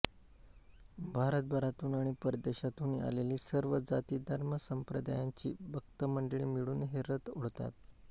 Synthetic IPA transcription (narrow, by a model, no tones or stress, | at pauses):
bʱaɾət̪̚bʱəɾat̪uːnaɽ̃ipəɾd̪eɕat̪uːnia̰leliːsəɾʋəd͡zat̪iːd̪ʱəɾməsəmpɾəd̪a̰jaɲt͡ɕḭːbʱəɡ̚t̪əməɳɖəɭiːmiɭuːnɦeɾət̪oɽt̪a̰t̪